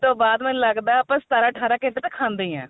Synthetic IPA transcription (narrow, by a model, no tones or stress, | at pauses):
t̪õːbaːd̪mɛ̃ːləɡd̪aːɦɛapãːst̪aːɾãːəʈʰaːɾãːkẽːʈeːt̪ãːkʰãːnd̪eːɛ̰̃ː